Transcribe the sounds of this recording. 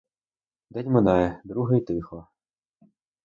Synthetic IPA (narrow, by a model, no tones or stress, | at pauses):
d̪ɛdʲmenɑjɛd̪ɾuɦɐjit̪ɪxlˠɔ